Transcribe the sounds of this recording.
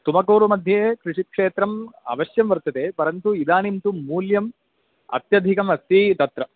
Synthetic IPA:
t̪umɐkoːɾumɐd̪ʱjeːkɾiʂit̪̚kʂeːt̪ɾɐmɐ̰ʋɐʃjɐmʋɐɾt̪ɐt̪eːpɐɾɐnt̪uid̪aːnint̪umuːljɐm | ɐ̰t̪jɐd̪ʱikɐmɐst̪it̪ɐt̪ɾɐ

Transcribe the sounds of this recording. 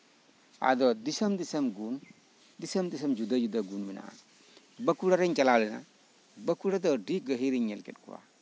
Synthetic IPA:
a̰dɔdisamdisɐmɡun | disɐmdis̬ɐmd͡ʒudad͡ʒudaɡunmina̰ | bɐkːuɾaɾeɲt͡ʃɐlalina̰ | bɐkuɽadɔdiɡɐɦiɾiɲɛlkɛ̰t̚kṵwa̰

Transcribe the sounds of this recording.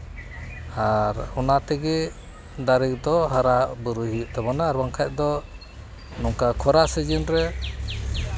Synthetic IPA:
aɾɔnat̪ɛɡɛ | d̪aɾik̚d̪ɔɦaɾaʔbuɾuɦiʔt̪ɛbɔnaːɾbaŋkʰac̚d̪ɔ | nɔŋkakʰɔɾasɛd͡ʒinɾɛ

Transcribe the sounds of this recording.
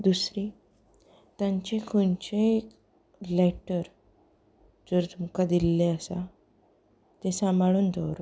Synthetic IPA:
d̪usɾi | t̪jãɲt͡ɕekʰuɳt͡ɕẽek | leʈəɾ | d͡zəɾt̪umkad̪ilːeəsa | t̪esamʱaɭuːnd̪ʱəɾ

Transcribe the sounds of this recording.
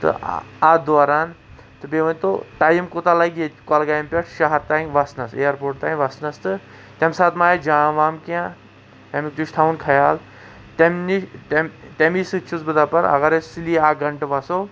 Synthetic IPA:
t̪ɨ̰ad̪ʋaɾaːn | t̪ɨbeʋɐnʲt̪o̰ʈajimkot̪alaɡʲekɔlɡajmpʲeʈʰʃaɦɐɾt̪ãːʋasnɐsejɐɾpoːɾʈ̚t̪ãːʋasnɐst̪ɨ | t̪ʲɐmsaːt̪maːjad͡ʒãːʋaːmkã | t̪ʲamikt̪uʃt̪ʰaunkʰɐjaːl | t̪emniʈemtemisɨt͡ʃʰut͡sbɨd̪apɐɾɐ̰ɣɐɾesiliaɡɐɳʈʋaso

